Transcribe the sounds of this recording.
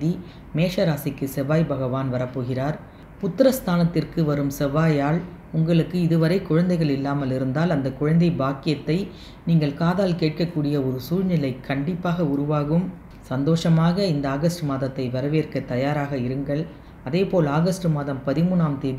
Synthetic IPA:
ði | meːʂɐɾaːsɪkːɯsɛʋaːjbɐɣɐʋaːnʋɐɾɐpːoːɣɪraːɾ | pʊt̪ːɾɐst̪ʰaːnɐt̪ːɪrkɯʋɐɾɯmsɛʋaːjaːɭ | ʊŋɡɐɭɯkːɯɪðɯʋɐɾɐɪkʊɻɐnd̪ɐɪɣɐɭɪlːaːmɐlɪɾɯnd̪aːlɐnd̪ɐkʊɻɐnd̪ɐɪbaːkɪjɐt̪ːɐɪ | niːŋɡɐɭkaːðaːlkeːʈ̚kɐkːuːɽɪjɐɔɾɯsuːɻnɪlɐɪkʰːɐɳɖɪpːaːɣɐʊɾʊʋaːɣɯm | sɐnd̪oːʂɐmaːɣɐɪnd̪ɐaːɣɐsʈɯmaːðɐt̪ːɐɪʋɐɾɐʋeːrkɐt̪ːɐjaːɾaːɣɐɪɾɯŋɡɐɭ | ɐðeːpoːlaːɣɐsʈɯmaːðɐmpɐðɪmuːnaːmt̪eːð

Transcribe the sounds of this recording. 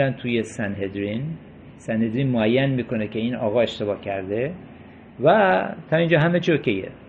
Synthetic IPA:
ænt̪ʰuːjesænhed̪ɾin | sænhe̞d̪ɾiːnmoæjːænmiːkʰo̞necʰʲe̞iːnɒːɣɒːe̞ʃt̪e̞bɒːhcʰæɾd̪e | væt̪ʰɒːind͡ʒɒːɦæmet͡ʃʰiokʰejḛ

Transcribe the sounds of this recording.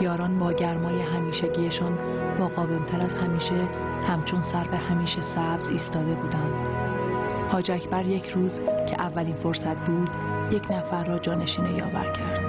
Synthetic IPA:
jɒːɾɒːnbɒːɟæɾmɒːje̞ɦæmiːʃeɟiːje̞ʃɒːn | bɒːɣɒːve̞mt̪ʰæɾæzhæmiːʃe̞ | hæmt͡ʃʰonsæɾfehæmiːʃe̞sæbziːst̪ɒːd̪e̞buːd̪ænd̪̥ | hɒːd͡ʒæcʰbæɾje̞cʰɾuːzcʰe̞̰ʔævːæliːnfo̞ɾsæt̪ʰbuːd̪̥je̞cʰnæfæɾːɒːd͡ʒɒːne̞ʃiːnejɒ̰ːvæ̰ɾcʰæɾdd̪̥

